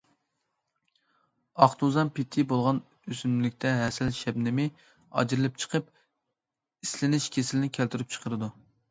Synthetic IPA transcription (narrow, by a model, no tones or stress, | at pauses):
ɑχt̪uzɑnpʰɪt̪ʰːɪbolˠʁɑn | øsynlɪkʲt̪ʰɛɦɛsɛlʃɛbnɪmɪ | ɑ̰d͡ʒɾɨlˠɪp̚t͡ʃʰə̥qʰəp | islɪnɪʃkʲʰesɪlɪnɪkʲʰælt̪yɾyp̚t͡ʃʰə̥qʰəɾɨd̪u